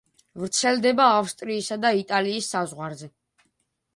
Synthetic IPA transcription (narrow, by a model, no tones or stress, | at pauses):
vɾt̪sʰɛld̪ɛbaːfst̪ʼɾiːsad̪ait̪ʼaliːsːazʁwaɾzɛ